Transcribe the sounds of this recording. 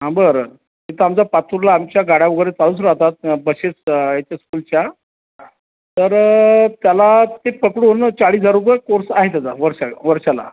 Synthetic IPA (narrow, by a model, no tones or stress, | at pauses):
ɦãbəɾ | ɦit̪əamt͡sapat̪uɾlaːmt͡ɕjaɡaɽjaʋəɡəɾet͡saluːsɾaɦt̪at̪̚bəɕet͡sjet̪jaskuːlt͡ɕja | t̪əɾt̪jalat̪epəkɽuːnt͡saɭiːsd͡zaɾukəkoɾsaɦet̪jad͡zaʋəɾɕaʋəɾɕala̰